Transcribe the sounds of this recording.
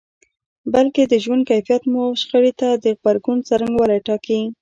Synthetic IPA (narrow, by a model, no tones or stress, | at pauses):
balked̪əʒwand̪̚kajfijat̪muʃxəɽet̪ad̪əɣbaɾɡunt͡saɾaŋɡwalaʈɑki